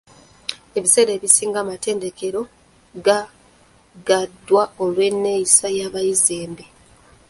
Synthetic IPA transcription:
e̞βise̞ːɾe̞ːβisiːŋɡamate̞ːnde̞ke̞ɾo̞ | ɡa | ɡadːwao̞lwe̞nːe̞jisajaːβajizeːmbe

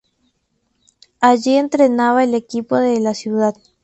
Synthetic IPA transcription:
aʒient̪ɾenaβaelekipoðelasjuðað

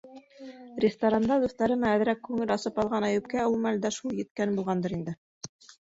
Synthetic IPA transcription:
rʲɪst̪oɾand̪ɑd̪uθt̪ɑɾɤ̆nɑæð̆ɾækːʉŋɘlɑsɤpɑlˠʁɑnɑjʉ̆p̚kæulˠmæld̪æʃulˠjɘ̆t̪̚kænbulˠʁɑnd̪ɤɾind̪ɘ

